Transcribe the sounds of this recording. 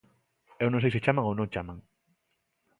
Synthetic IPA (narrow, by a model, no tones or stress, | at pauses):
ewnõŋsejset͡ʃamãŋownõŋt͡ʃamãŋ